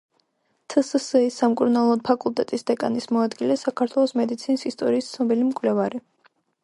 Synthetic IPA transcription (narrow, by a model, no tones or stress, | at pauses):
t̪ʰəsəsɛisːamkʼuɾnalˠɔd̪̚pʰakʼulˠt̪ʼɛt̪ʼisd̪ɛkʼa̰nismɔad̪ɡilɛsakʰaɾt̪ʰwɛlˠɔsmɛd̪it̪sʰinisist̪ʼɔɾiːst̪sʰnɔbilimkʼwlɛvaɾi